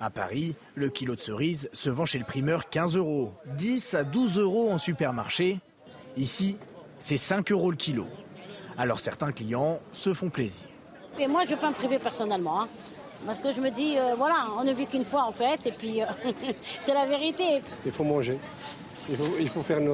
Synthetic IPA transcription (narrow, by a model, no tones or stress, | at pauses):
apa̰ʁi | ləkʲilod̪əsəʁizsəvɑ̃ʃeləpχimœʁkʲɛ̃zøʁod̪isad̪uzøʁoɑ̃sypɛʁmaʁʃe | isi | sɛsɛ̃køʁoləkʲʰilo̰ | alɔʁsɛ̰ʁt̪ɛ̃klijɑ̃səfɔ̃plezḭːʁ | ɛmwaʒəvøpaməpχivepɛʁsɔnɛlmɑ̃ɛ̃ | paʁsə̥kəʒəməd̪iøvwalaɔ̃nəvykynfwaɑ̃fɛt̪epɥiø | sɛlaveʁit̪eilfomɑ̃ʒe | ilfoilfofɛʁyn